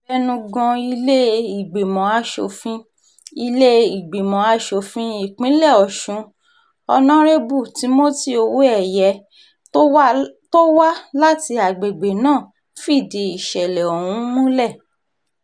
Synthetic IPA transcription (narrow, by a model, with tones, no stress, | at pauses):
fɛ˦nũ˧ɡɔ̃˧i˧le˦i˨ɡ͡be˨mɔ̃˨a˧˦ʃo̰˧fĩ˦ | i˧le˦i˨ɡ͡be˨mɔ̃˨˦a˧ʃo˧fĩ˧˦i˦˨k͡pĩ˨˦lɛ˦˨ɔ˨ʃũ˨˦ | ɔ̰˧nã˦ɾe˦bu˦˨ti˨˦mo˦ti˦˨o˧wu˦ɛ˦˨jɛ˧˦ | to˦wa˦la˦ti˧a˨ɡ͡be˨ɡ͡be˨nãː˦˨ | fi˦˨de˨˦i˨ʃɛ˨lɛ˨o˨wũ˦mũ˦lɛ˦˨